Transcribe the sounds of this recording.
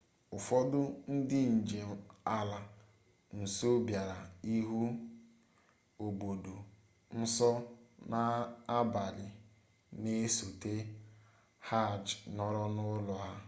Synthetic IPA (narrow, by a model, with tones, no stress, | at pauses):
ʊ˨fɔ˦dʊ˦n̩˦dɪ˦n̩˨d͡ʒe˨a˦la˨ | n̩˨so˦bja˨ɾa˨i˦ɦu˦ | o˨bo˨do˨ | n̩˦sɔ˦na˦a˦ba˨lɪ˨ | ne˦so˨te˦ | ha˦˨d͡ʒnɔ˦ɾɔ˦nʊ˦lʊ˨a˦